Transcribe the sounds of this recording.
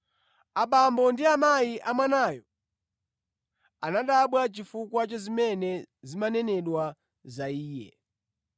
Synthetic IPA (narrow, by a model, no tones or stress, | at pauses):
aɓambɔndiamajiʔamwanaːjɔ | anaɗaɓwat͡ʃifukwat͡ʃɔzimɛnɛzimanɛnɛɗwa | zaiːjɛ̰